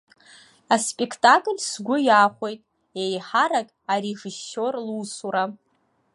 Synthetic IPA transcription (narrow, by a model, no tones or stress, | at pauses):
aspʼekʰtʼakʼlʲsɡʷʊjaχʷo̞jtʼ | ejħaɾakʼaɾeʐɨsorluːsuɾa